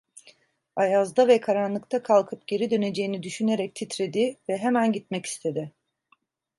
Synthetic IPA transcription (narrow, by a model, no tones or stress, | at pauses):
ajazd̪avɛkʰaɾanlˠɯk̚t̪ʰakʰalˠkʰɯpɟ̥e̞ɾid̪ø̞ne̞d͡ʒe̞jinid̪yʃyne̞ɾɛc̚t̪ʰit̪ɾe̞d̪ivɛɦemænɟit̪̚mɛci̥st̪ʰe̞d̪ɪ